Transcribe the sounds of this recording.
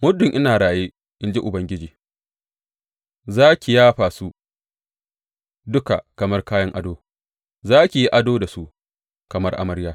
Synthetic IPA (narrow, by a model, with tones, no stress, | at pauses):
mʊ˦dʊ˨ŋʔɪ˦naː˨ɽaː˨jeː˦ | ʔɪ˦nd͡ʒe˦ʔʊ˨bɐ˦ŋɡʲɪ˦d͡ʒiː˨ | zaː˦kʲi˨jaː˦ɸaː˨su˦ | dʊ˦ka˨kɐ˨mɐ˦rkaː˦jɐ˦ŋʔa˦doː˦ | zaː˦kʲi˨ji˦ʔa˦doː˦da˨su˦ʔ | kɐ˨mɐ˦rʔa̰˦mɐ˦ɾjaː˦